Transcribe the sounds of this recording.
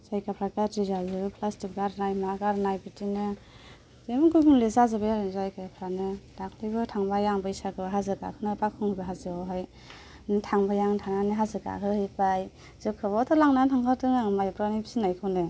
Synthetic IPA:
zajkapʰɾakatɾizazɯbɯpʰlastik̚ɡaɾnajmaɡaɾnajbitinɯ | zemɡɯɡɯnlezazɯbajazajkajapʰɾanɯdakʰlɯjbɯtʰaŋbajaŋbɯjsakʰɯɦazɯɡa̰kʰɯnapakʰɯŋɯbɯɦazɯɔɦaj | nɯtʰaŋbajaŋtʰaŋanɯɦazɯɡa̰kʰɯhɯpaj | z̥ɯkʰɯbɔtʰɔlaŋnatʰaŋkʰatɯŋaŋmajpɾanipi̥sinajkʰɯwnɯ

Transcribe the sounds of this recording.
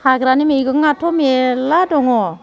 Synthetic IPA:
haɡɾanimejɡɯŋatʰɔmeladɔŋɔ

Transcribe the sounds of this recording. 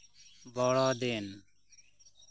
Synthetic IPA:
bɔːɭaːd̪eːn

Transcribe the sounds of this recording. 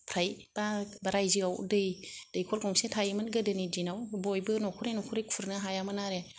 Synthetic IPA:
pʰɾajb̥abaɾajziawdɯjd̥ɯjkʰɔlkʰɔŋsetʰajmɯnɡɯdɯnidinawbɔjbɯnɔkʰuɾenɔkʰuɾejkʰuɾnɯɦajamɯnaɾe

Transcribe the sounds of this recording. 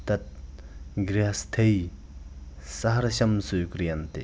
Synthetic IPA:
t̪at̪̚ | ɡrast̪ʰei | saɦarɕamsojkərjant̪e

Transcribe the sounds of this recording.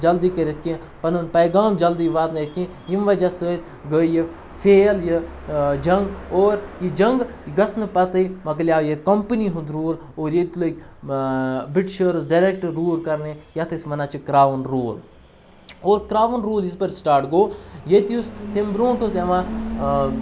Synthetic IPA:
d͡ʒɐld̪iːkɐɾʲet̪̚kĩ | pɐnunpɐjɡaːmd͡ʒɐld̪iʋaːt̪nɐjet̪̚kĩ | jimʋɐd͡ʒɐsəːɾʲ | ɡəji | fʰeːljid͡ʒɐŋɡoːɾjid͡ʒɐŋɡiɡɐsnɨpɐt̪ɨjmɐɡljaːjet̪kɐmpəniɦund̪ɾuːl | oːɾjet̪lokʲ | biʈʃəɾsɖɐɾek̚ʈɾuːlkɐɾnejɐt̪ʰɐsmɐnaːt͡ʃʰikɾaːʋnɾoːl | oːɾkɾaːʋunɾuːlispɐɾsʈaːɾʈɡoːjet̪iust̪imbɾõːɳʈusʲjɐʋãː

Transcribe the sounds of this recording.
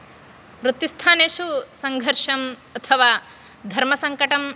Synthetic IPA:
ɾut̪ːist̪ʰaːneːʃusɐŋɡʱɐɾʂɐmɐt̪ʰɐʋaː | d̪ʱɐɾmɐsɐŋkɐʈɐm

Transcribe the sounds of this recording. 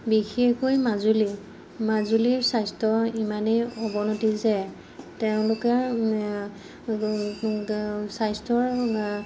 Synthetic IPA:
bixekojmazuli | mazuliɹsajstɔimanejɔbɔnɔtizɛ | tɛʊ̃lʊkɛ | sajstɔɹ

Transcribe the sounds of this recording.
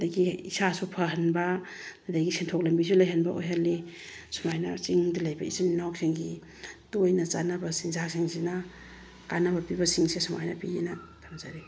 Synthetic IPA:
daɡiisasupʰaɦɐnba | nadaɡisʰentʰok̚lambizulajɦanbaʔo̰jɦalisumajna̰t͡ʃiŋdalajbaisininawk̚seŋɡi | dojnɐt͡ʃanɐbasinzaksiŋsina | kanɐbɐpibasiŋsesuma̰jna̰pienatʰamzaɾi

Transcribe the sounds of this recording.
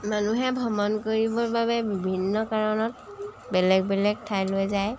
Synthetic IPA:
manuɦɛbʱɔmɔnkoɹibɔɹbaβɛbibʱinːɔkaɹɔnɔt | bɛlɛɡ̚bɛlɛk̚tʰajlojzaj

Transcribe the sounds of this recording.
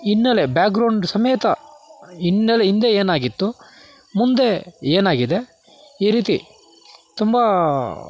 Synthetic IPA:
inːelebjaːkɡɾɐwɳɖsɐmeːt̪ɐ | inːeleind̪e̞eːnaːɡit̪ːu | mund̪e̞eːnaːɡid̪e̞ | iːɾiːt̪ḭ | t̪umbɐ

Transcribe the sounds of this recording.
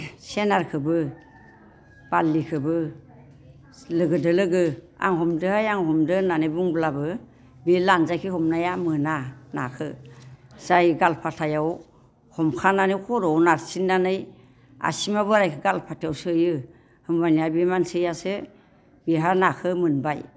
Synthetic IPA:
senaɾkʰɯbɯ | b̥alːikʰɯbɯ | lɯɡɯdɯlɯɡɯa̰ŋhɔmdɯhajaŋhɔmdɯnanɯjbuŋblabɯ | bilanzajkʰihɔmnajamɯnana̰kʰɯ | z̥ajɡalpʰatʰajaw | hɔmkʰananɯjkʰɔɾɔwnaɾsinːanɯj | a̰simabɯɾajkʰɯɡalpʰatʰjawsɯjɯ | hɯŋbaniabimansɯjasɯ | biɦanakʰɯmɯnbaj

